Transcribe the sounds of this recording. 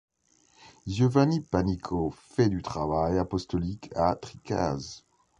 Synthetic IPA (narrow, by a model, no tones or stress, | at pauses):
ʒɔvanipanikʰofɛd̪yt̪χavajapɔst̪ɔlikʰat̪χika̰z